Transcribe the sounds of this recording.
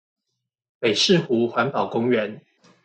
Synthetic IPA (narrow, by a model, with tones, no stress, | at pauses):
pe˨˩ɪʂɻ̩˥˨xu˨˧˥xwa˧˦npɑ˨˩ʊkʊ˥ŋɥɛ˨˧˦n